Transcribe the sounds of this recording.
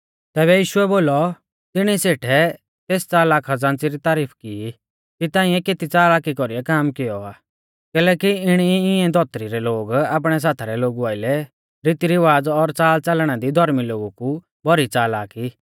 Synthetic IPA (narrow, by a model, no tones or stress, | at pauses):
t̪ɛːβɛjiːʃʊɛboːlɔ | t̪ɪɽ̃iseːʈʰɛ | t̪eːst͡saːlaːkʰad͡zãːnt͡siɾit̪aːɾiːpʰkii | kit̪ãːĩɛkeːt̪it͡saːlaːkikɔɾiɛkaːmkɪjɔaː | kɛːlɛːkiɪɽ̃iɪɛd̪ʱɔt̪ɾiɾɛloːɡaːp̬ɽ̃ɛs̬aːt̪ʰaɾɛloːɡuaːɪlɛ | ɾɪt̪iɾiʋaːd͡zɔɾt͡saːlt͡sɐlɽ̃ad̪id̪ʱɔɾmiloːɡuku | bʱɔɾit͡saːlaːki